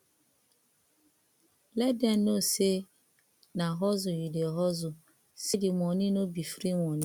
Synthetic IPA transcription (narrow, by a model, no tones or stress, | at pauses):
lɛdɛn̩nose | naɦɔzʊjideɦɔzʊ | sidɪmɔnɪnobifɾiŋɔnɪ